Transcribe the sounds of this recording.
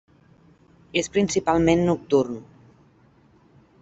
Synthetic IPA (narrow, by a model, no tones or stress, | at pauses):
espɾinsipalˠmẽnːuk̚t̪urn